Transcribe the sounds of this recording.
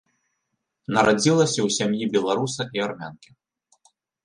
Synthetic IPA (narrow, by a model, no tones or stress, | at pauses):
nɐɾad͡zʲilˠɐsʲɐwsʲamjibʲɛlˠaɾusɐʔiarmʲa̰nkʲi